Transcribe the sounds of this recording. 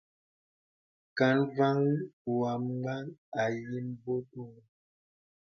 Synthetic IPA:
ka˨˦nva˦ŋ˦˨wa˨m˦ɡ͡ba˦ŋa˨ji˦mbo˦tu˦˨ŋ˨

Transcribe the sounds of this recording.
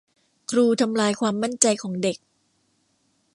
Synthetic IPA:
kʰɾuː˧t̪ʰa˧mlaː˧jkʰwaː˧mːa˥˩nt͡ɕa˧jkʰɔː˩˦ŋde˨˩k̚

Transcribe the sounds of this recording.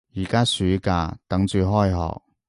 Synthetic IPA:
jiː˨˩kaː˥syː˨˥ka̰ː˧t̪ɐ˨˥ŋt͡ʃyː˨˧ɦɔː˥jɦɔ̰ː˨k̚

